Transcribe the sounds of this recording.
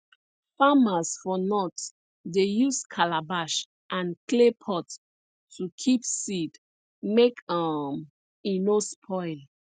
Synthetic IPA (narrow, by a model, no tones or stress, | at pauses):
famasfɔnɔt | dejuskʰalabaʃ | ʔãnklepʰɔtː | ukʰipsid | mekam | ĩnospʰɔɪl